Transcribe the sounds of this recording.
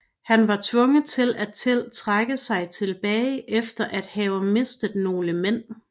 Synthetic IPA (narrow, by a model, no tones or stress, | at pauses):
hænʋɑ̈t͡sʰʋɔ̽ŋət͡sʰe̝læt͡sʰe̝lt͡sʰʁaɡ̥əsɑ̈ɪt͡sʰe̝lb̥ɛːɪʔefd̥ɐʔæd̥hɛʊme̝sd̥ð̩ˠno̝ːləmen̰